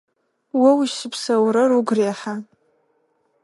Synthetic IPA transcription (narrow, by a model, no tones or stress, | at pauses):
wɐwiʃɨpʰsɐwrɐruɡʷreħa